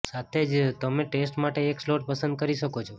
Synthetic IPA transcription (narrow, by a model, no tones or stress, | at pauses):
sat̪ʰed͡ʒt̪əmeʈesʈmaʈeːksloʈ̚pəsə̃nd̪̚kəɾiʃəkot͡ʃʰo